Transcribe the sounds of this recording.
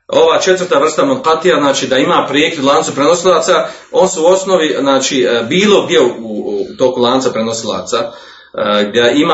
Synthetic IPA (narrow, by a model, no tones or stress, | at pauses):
o̞ʋaːt͡ʃe̞t̪ʋəɾrt̪aʋr̩st̪amuŋqat̪ijaznaːt͡ʃiːd̪aimaːpɾjekʲed̪lˠaːnt̪upɾeno̞silˠaːt̪sa | o̞ːnsuuo̞snoʋiznaːt͡ʃibiːlˠo̞ɡd̪je̞uut̪o̞ːkulˠaːnt̪sapɾeno̞silˠa̰ːt̪sa | ɡd̪ʲeʔima